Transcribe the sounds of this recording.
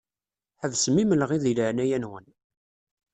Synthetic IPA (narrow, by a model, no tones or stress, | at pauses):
ħəðsəmːiməlʁiðiləʕnæjænwən